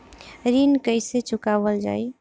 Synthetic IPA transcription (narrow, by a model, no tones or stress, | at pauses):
ɾinkəɪset͡ʃukabəld͡ʒa̰j